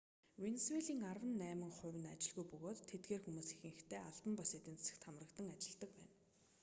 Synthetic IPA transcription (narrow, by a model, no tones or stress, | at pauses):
wenesweɮiːŋarwə̆nːæːmə̆ŋχʊ̟wʲɘ̆nat͡ɕɪ̆ɮɣujpɵɣoːt̪ʰːet̪̚ɡeːrxumuːsexɘ̆ŋ̆xt̪ʰeːʔaɮpə̆mpɔseːt̪iːnt͡s̪sɘ̆xt̪ʰamrə̆k̚t̪ə̆ŋat͡ɕɪ̆ɮt̪ə̆k̚pæ̰ːn